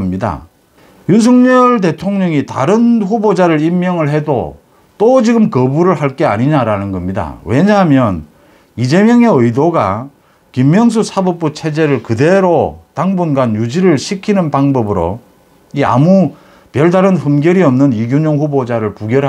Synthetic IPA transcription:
mɲida̰ | juns̬ʰʌŋɲʌɭde̞tʰoŋɲʌŋita̰ɾɯnɸubod͡ʑaɾɯɾimːjʌŋɯɭɦe̞do̰ | t͈od͡ʑiɡɯmkʌbuɾɯɭɦaɭk͈e̞aɲiɲaɾanɯnɡʌmɲida̰we̞ɲamjʌn | id͡ʑe̞mjʌŋe̞ɯjdoɡa̰ | kimːjʌŋs̬ʰusʰabʌp̚p͈ut͡ɕʰe̞d͡ʑe̞ɾɯɭkɯde̞ɾotaŋbunɡanjud͡ʑiɾɯɭɕʰikʰinɯnpaŋbʌbɯɾo̰ | ia̰mu | pjʌɭdaɾɯnɸɯmɡjʌɾiʌmnɯniɡjuɲʌŋɸubod͡ʑaɾɯɭpuɡjʌɾɦ

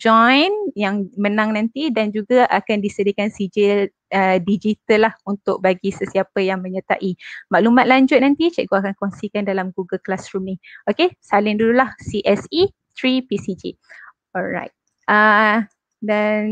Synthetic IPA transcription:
d͡ʒɔjnjaŋmənãŋnãnt̪idand͡ʒuɡaʔakandisədikansid͡ʒil | ədid͡ʒit̪əlːahunt̪ʊk̚baɡisəsiapəjaŋmə̃ɲət̪a̰ʔimãʔlumãt̪̚laɲd͡ʒʊt̪̚nant̪it͡ʃɛʔɡoakankɔŋsikandalamɡuɡəlklasɾumniokesalɪŋdudulahsiʔɛsi | t̪ɾipisid͡ʒḭ | ɔlɹa̰jt̪̚ | ʔə | dan

